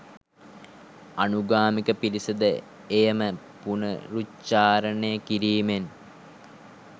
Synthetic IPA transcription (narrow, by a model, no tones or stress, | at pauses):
ɐnuɡaːmikəpiɾisɐd̪ə | ejəmə | punə̰ɾut͡ʃːaːɾɐnejəkiɾiːmen